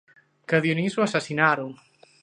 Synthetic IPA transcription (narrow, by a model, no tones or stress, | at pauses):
kaðjonizuasasinaɾuŋ